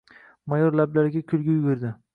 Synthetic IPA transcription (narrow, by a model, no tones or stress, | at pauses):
majɒɾlablaɾɡʲakʲʰʊlˠɡʲɪjʊɡʊɾd̪ɪ